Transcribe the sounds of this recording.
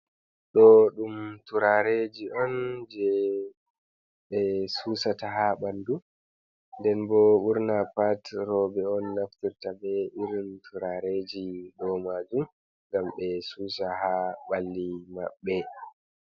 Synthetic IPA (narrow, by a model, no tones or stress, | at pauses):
ɗɔɗumtuɾaɾed͡ʒiʔɔnd͡ʒɛ | ɓɛsuːsataɦaɓandu | ndɛnbɔɓuɾnapatɾɔbɛɔnːaftiɾtabɛiɾintʰuɾaɾed͡ʒiɗɔmad͡ʒum | ŋɡamɓɛsuːsahaɓalːima̰ɓːɛ